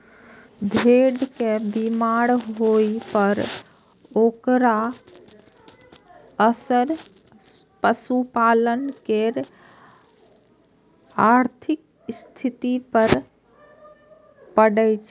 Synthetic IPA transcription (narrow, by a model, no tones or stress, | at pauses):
d̪ʱeɖkebimaɾɦoipəɾ | okɾa | əsəɾ | pəsupalənkeɾ | aɾt̪ʰik | st̪ʰit̪ipəɾ | pəɽət͡ʃʰ